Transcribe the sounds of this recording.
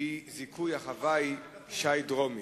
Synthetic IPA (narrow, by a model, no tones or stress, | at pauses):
izikʰujhaχavajʃajdʁomi